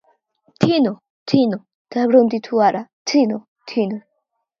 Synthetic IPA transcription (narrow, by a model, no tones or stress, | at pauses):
t̪ʰino | t̪ʰino | t̪abɾond̪it̪ʰuaɾatʰino | t̪ʰino